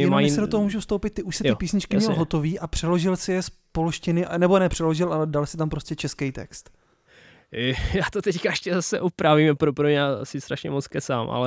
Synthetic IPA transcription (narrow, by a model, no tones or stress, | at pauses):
ɛnaisɛdo̞t̪oɦomuːʒufst̪owpɪt̪̚t̪ːɪʔuʃsɪt̪ɪpiːsɲɪt͡ʃkɪmɲɛlɦo̞t̪o̞viːʔapr̥ɛlo̞ʒɪlsɪjɛspo̞lʃcɪnɪʔnɛbo̞nɛpr̥ɛlo̞ʒɪlʔalɛdalsɪt̪ampɾoscɛt͡ʃɛskɛjt̪ɛ̰kst̪ | jaːt̪ot̪ɛckaɛʃcɛzasɛʔupɾavimpɾopɾoɲɛjasɪst̪ɾaʃɲɛmot͡skɛsa̰ːmʔa̰lɛ